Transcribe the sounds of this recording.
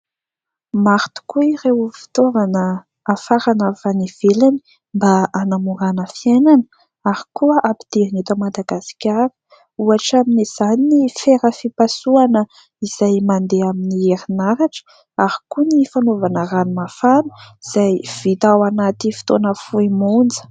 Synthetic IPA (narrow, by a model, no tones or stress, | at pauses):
maɾt̪u̥kuirewfi̥t̪ovanəː | faɾanavaniv̥elani̥ | mbaʔanamuɾanəfiananə̥ | aɾikuəʔapi̥d̪̥eanet̪əmad̪aɡasi̥kʲaɾə̥ | uaʈ͡ʂaminiz̥aninifeɾəfipasuanə | iz̥ajmand̪eaminieɾinaɾaʈ͡ʂə̥ | aɾi̥kunifanovanəranimafanu̥z̥ajv̥it̪awanat̪ifi̥t̪onəfuimund͡zə̥